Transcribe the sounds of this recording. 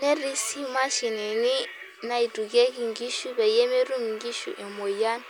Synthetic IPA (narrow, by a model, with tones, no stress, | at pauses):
ne˦ɾi˦si˦ma˦ʃi˨ne˨ni˦ | na˨i˨tu˨ɡe˦ki˦˨ŋɡi˦ʃu˦βe˨je˦me˦ɾu˦m˨ŋɡi˦ʃṵ˨ʔe˨mo˨ja˦n˦